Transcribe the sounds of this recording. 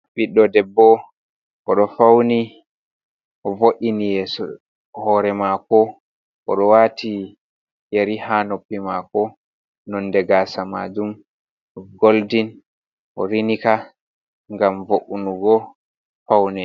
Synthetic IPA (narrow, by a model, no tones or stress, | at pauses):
ɓiɗːɔdɛbːɔ | ʔɔɗɔfawni | ʔɔvoʔinijɛːsɔ | hɔːɾɛmakɔ | ʔɔɗɔwati | jeɾihanopːimakɔ | nɔndɛɡaːsama̰d͡ʒum | ɔɡoldin | ʔɔɾinika | ŋɡamvoʔunuɡɔ | fawnɛ